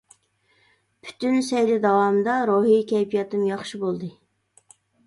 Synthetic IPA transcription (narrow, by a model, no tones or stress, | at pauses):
pʰy̥t̪ʰynsɛjlɪd̪ɑwɑmd̪ɑɾoɦikʲʰɛjpʰijɑt̪ʰɨmjɑχʃibolˠd̪ɨ